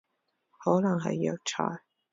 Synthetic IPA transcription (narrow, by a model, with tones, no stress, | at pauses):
hɔː˨˥nɐ˨˩ŋɦɐ̰˨jːɐ˨˧wt͡ʃʰɔ̰ː˨˩j